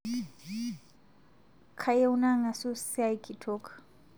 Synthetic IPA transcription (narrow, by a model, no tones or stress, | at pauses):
kʰajeunaŋasusiajkʰitʰɔkʰ